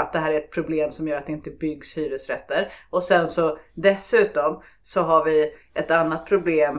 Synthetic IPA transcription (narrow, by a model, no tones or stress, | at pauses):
at̪̚d̪ɛɦæːɾæɾɛt̪̚pʰɾʊbleːmsɔmjœːɾat̪̚ɛɪnt̪əbʏɡshyːɾəsɾɛt̪ːəɾɔsɛnsɔd̪ɛsʉ̟ːt̪ɔm | sɔɦaɾvɪʔɛt̪anːat̪̚pʰɾʊbleːm